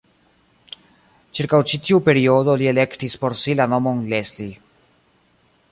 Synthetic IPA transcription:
t͡ʃiɾkawt͡ʃit̪iupeɾioðolielekt̪ispoɾsilanomonlesli

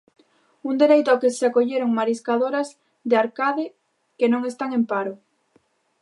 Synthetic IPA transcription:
und̪eɾejt̪ʊakeseakoʎeɾoŋmaɾiskaðoɾɐs | ðeaɾkaðɪ | kenõŋest̪aŋempaɾʊ

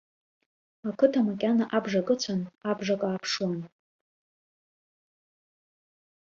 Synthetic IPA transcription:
akʰɨtʰamakʲʼanaʔabʐakʼɨt͡ɕʷʰanabʐakʼaːpʰʂwan

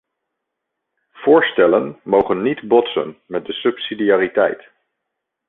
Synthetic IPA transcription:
v̥ʊːɹstɛlənmowχənːidbɔtsə̰nmɛt̚dəsɵpsidijaːritɛ̰jt

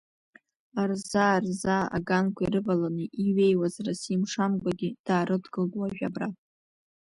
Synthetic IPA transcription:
arzarzaa̰ɡankʷʰaiɾɨbalanɨʔiɥejwazarasimʂamɡʷaɡʲid̥aːɾɨdɡɨlɡʷwaʒᶣa̰bratʼ

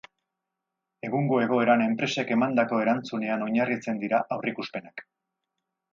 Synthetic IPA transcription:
e̞ɣ̞uŋɡo̞e̞ɣ̞o̞e̞ɾane̞mpɾe̞se̞ke̞mand̪ako̞e̞ɾant͡sune̞ano̞ɲarit͡se̞nd̪iɾaʔawrikuspe̞nak

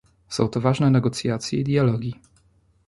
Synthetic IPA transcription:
sɔ̃w̃t̪ɔvaʐnɛnɛɡɔt̪sʲjat̪sʲjɛid̪ʲjalɔɡʲi

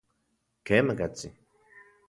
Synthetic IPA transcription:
kʰemakat͡si

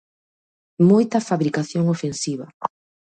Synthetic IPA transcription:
mojt̪ɐfaβɾikaθjoŋofensiβɐ̰

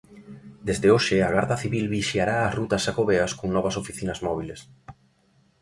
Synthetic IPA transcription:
d̪ezðeoʃɪaɣaɾt̪aθiβilβiʃjaɾaːsrut̪ɐsakoβeɐskoŋnɔβɐsofiθinɐzmɔβiles

